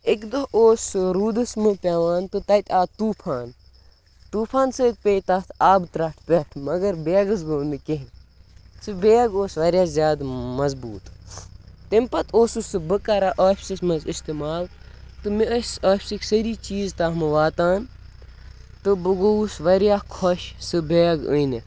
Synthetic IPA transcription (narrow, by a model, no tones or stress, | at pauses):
ɪkd̪ɐɦoːsɾuːd̪ɨsmɨpʲaʋaːnt̪ɨt̪ɐt̪ʲaːt̪uːpʰaːn | t̪uːpʰaːnsɨk̚pʲeːt̪aːt̪ʰaːbt̪ɾɐʈʰpʲaʈʰmɐɡɐɾbeɡɨs̬ɡoːnd̪ɨkeɦnsɨbeːɡoːsʋɐɾjaːzʲjaːd̪mɐzbuːt̪ | t̪impɐt̪ʰoːsusɨbɨkɐɾaʔoːfʲsismɐzɪst̪imaːlt̪ɨmiəsaːfʲsikʲsɐɾiːt͡ʃiːzt̪aːmɨʋaːt̪aːn | t̪ɨbɨɡousʋɐɾjaːkʰɔʃsɨbeːɡəːn